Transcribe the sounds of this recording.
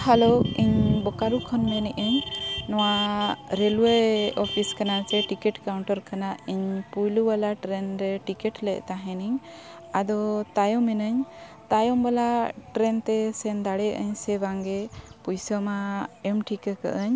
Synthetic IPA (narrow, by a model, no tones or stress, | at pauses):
halɔiɲbɔkaɾukʰɔnmɛnɛʔəɲnɔwaɾelweɔpʰiskanat͡ʃɛʈikɛʈkawɳʈɔɾkanaiɲpujluwalaʈɾɛnɾɛʈikɛʈlɛʔ̚ˀt̪aɦɛ̃niɲ | ad̪ɔt̪ajɔmɛnəɲ | t̪ajɔmbalaʈɾɛnt̪ɛsɛnd̪aɽɛʔəɲsɛbaŋɡɛpujsɔmaɛmʈʰikəkə̰ʔəɲ